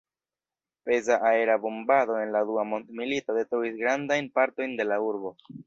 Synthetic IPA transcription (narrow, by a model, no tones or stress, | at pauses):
pe̞zaʔae̞ɾabumbado̞e̞nladuamo̞ndmilito̞de̞tɾoisɡɾandajnpaɾto̞jnde̞lauɾbo̞